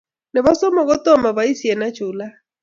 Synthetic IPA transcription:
nɛ˨βa˦sɔ˦mɔ˨ɣo˦tɔ˦ma˨βa˨i˦si˨ɛ˨na˦t͡ʃu˨la˦

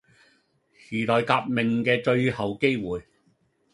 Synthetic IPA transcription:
hyː˨˩lɔː˨jkaː˧p̚mɪ˨˩ŋkɛː˧t͡ʃɵ˧ɥhɐ˨wke˥jwuː˨˩j

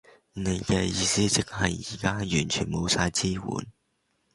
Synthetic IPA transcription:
ne˨˧jkɛː˧jiː˧siː˥t͡sɪ˨k̚hɐ˨jiː˨˩kaː˥jyː˨˩nt͡ʃʰy̰˨˩nmo˨˧wsaː˧jt͡siː˥wṵː˨˥n

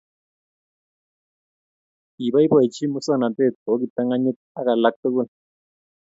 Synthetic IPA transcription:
i˨βa˦i˦bɔ˨i˨t͡ʃʰi˦mu˦sɔ˦na˨te˦˨to˦k̬i˨ta˦ŋa˦ɲi˦t | a˦ka˨la˦k̚to˦k̬u˦l

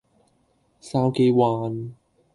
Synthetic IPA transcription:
saː˧wke˧jwaː˧n

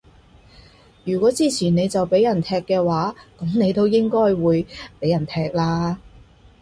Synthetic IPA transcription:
jyː˨˩kɔː˨˥t͡siː˥t͡sʰiː˨˩ne˨˧jt͡sɐ˨wpe˨˥jɐ˨˩nt̪ʰɛː˧kːɛː˧waː˨˥kɐ˨˥mne˨˧jt̪o˥wjɪ˥ŋkɔː˥jwuː˨˧jpe˨˥jɐ˨˩nt̪ʰɛː˧k̚laː˧

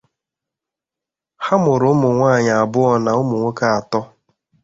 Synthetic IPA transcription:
ha˦mʊ˨ɾʊ˨ʊ˦mʊ˨ŋʷa˦˨ɲa˨a˨bʊ˦ɔ˦na˨ʊ˦mʊ˨ŋʷe˦ka˦a˨tɔ˦

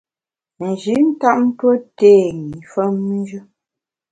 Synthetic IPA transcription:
n̩˨d͡ʒi˨˦n̩˦ta˦ʔm̩˦twə˦teː˦˨ŋi˨fə˦mːi˦d͡ʒɨ˦

